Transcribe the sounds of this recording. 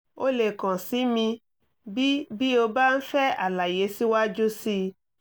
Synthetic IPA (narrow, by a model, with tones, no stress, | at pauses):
o˦le˨kã˨si˨˦mĩ˧ | bi˦bi˦o˧ba˦n̩˦fɛ˦a̰˨la˨je˨˦si˦wa˦d͡ʒu˦si˦